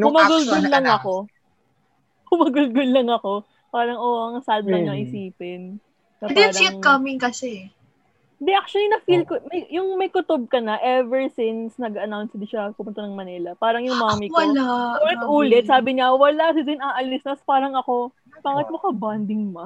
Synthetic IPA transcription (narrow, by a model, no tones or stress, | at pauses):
ʊmɐɡʊlɡɡʊlːɐŋɐko̞ | kʊmɐɡʊlɡʊlːɐŋɐko̞ | paːɾɐŋʔoɐŋɐsald̪ɐŋɲɐʔɪsiːpɪn | sɐnp̪d̪iaːɾɐiŋkɐmɪŋkɐsɛ | d̪ɪʔak̚t͡ʃʊɐlinɐfilkomɐjjʊŋmɐjkʊt̪ob̚kɐnɐʔɛvɛɹsɪnsnɐɡɐnawnsd̪ɪʃɐpʊmʊnt̪ɐnɐŋmɐnɛlɐpaːɾɐŋjʊŋmamɪwɐlaʔuːlɛt̪̚ʔuːlɛt̪̚saːbɪɲɐwɐlasɪdɪnɐʔɐlisnɐspaːɾɐŋɐko̞ | b̥aːkɪt̪̚mɐkɐband̪ɪŋmɐ